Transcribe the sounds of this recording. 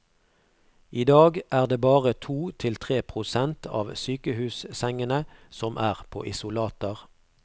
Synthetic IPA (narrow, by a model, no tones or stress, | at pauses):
iːd̪ɑːɡʔæːʁd̪eːbɑːʁət̪ʰuːt̪ʰɪlt̪ʰʁeːpʰʁʊsɛnt̪ʰɑ̰ːʋsyːkəhʉːssɛŋənəsɔmʔæːʁpʰo̰ːʔɪsʊlɑːt̪əʁ